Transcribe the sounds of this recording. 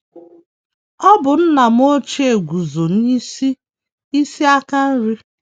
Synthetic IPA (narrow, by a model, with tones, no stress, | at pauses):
ɔ˦bʊ˨n̩˦na˨m̩˦o˦t͡ʃe˦e˨ɡʷu˨zo˨n̩˦ɲi˦si˦ | i˦si˦a˦ka˦n̩˦ɾi˦